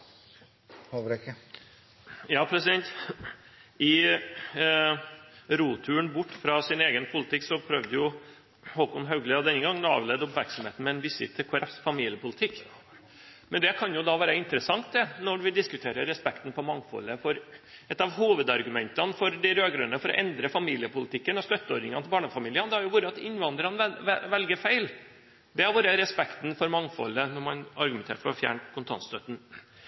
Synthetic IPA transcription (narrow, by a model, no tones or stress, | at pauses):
jɑːpʰɾɛsɪd̪ɛnt̪ | ɪ | ɾuːt̪ʰʉːəɳbʊʈːfɾɑsɪneːɡənpʰʊləɪt̪ʰɪkːsɔpʰɾœʋd̪əjʊ | hɔlkʊmɦœʉɡləɔd̪ɛnːəɡɑŋːnɑ̰ːʋlɛd̪ʊpmæɾksɔmheːt̪n̩mɛɛnʋɪsɪ̰t̪ʰːɪkʰʊɾɑsfɑmiːlɪəpʊlət̪ʰɪkː | mɛnd̪ɛkʰɑnjʊd̪ɑːʋæːɾəɪnt̪əɾəsɑŋt̪̚d̪ɛnɔɖʋɪd̪ɪskʉt̪ʰeːɾəɾɛspɛkt̪n̩fɔmɑŋːfɔ̰lːəfɔɾɛt̪ːɑʋhuːʋəd̪ɑɾɡʉmɛnt̪ɑnfɔɾd̪æɪɾøːɡɾʉnəfɔɾɔ̰ʔɛnd̪ɾəfɑmiːlɪəpʊlɪt̪ʰɪkːənɔst̪œt̪ːəɔɾnɪŋɑnʰlbɑːɳɑfɑmiːlɪənd̪ɛæɾjʊʋʊɾəɑt̪ɪnʋɑnd̪ɾɑnʋɛʋɛlɡəɾfæɪl | d̪ɛæɾʋʊɾəɾɛspɛkt̪nfɔɾmɑŋːfɔ̰lːənɔɾmɑnɑɾɡʉmɛnt̪ḛːʈfɔɾɔfjæ̰ːɳkʰʊnt̪ʰɑ̰nst̪œt̪ːn̩